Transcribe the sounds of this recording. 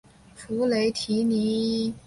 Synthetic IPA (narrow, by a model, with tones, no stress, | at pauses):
fu˧˥le˧˥ɪt̪ʰi˧˥ni˧˥